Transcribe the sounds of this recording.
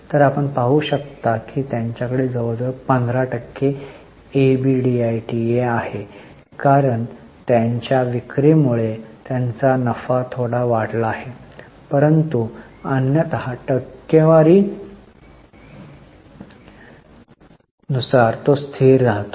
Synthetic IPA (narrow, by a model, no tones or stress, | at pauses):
t̪əɾapəɳpaɦuɕək̚t̪akiːt̪jãɲt͡ɕjakəɽed͡zəʋd͡z̪əpənd̪ʱɾaʈəkːe | ebiɖiajʈieahe | kaɾəɳ | t̪jaɲt͡ɕjaʋikɾimuɭet̪jant͡sanəfat̪ʰoɽaʋaɽlaːɦe | pəɾənt̪u | ənjət̪əɦaʈəkːjeʋaɾiː | nusaɾt̪ost̪ʰiːɾːaɦt̪o